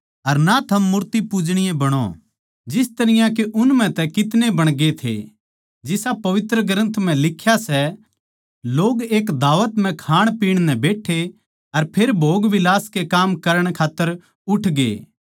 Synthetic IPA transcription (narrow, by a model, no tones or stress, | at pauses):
ɐɾnat̪ʰɐmːʊɾt̪ipʊd͡ʒɽ̃ɪjẽbɐɽ̃o̰ | d͡ʒɪst̪ɐɾɪjãk̬eʔʊnm̤ɛ̃t̪ɛkɪt̪nebɐɽ̃ɡet̪ʰḛ | d͡ʒɪsapɐʋɪt̪ɾəɡɾə̃nt̪ʰm̤ɛ̃lɪkʰːjasɛ | loːɡeːkd̪aːʋət̪m̤ɛ̃kʰaːɽ̃piːɽ̃nɛ̃beːʈʰːe | ɐɾpʰeːɾbʱoːɡʋɪlaːskekaːmkɐɾəɽ̃kʰaːt̪ːəɾ | ʊʈʰɡḛː